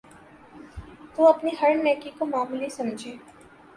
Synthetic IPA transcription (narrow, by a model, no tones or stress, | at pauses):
t̪oɐpniɦɐɾnɛːkikomaːmulisɐ̃md͡ʒʱeː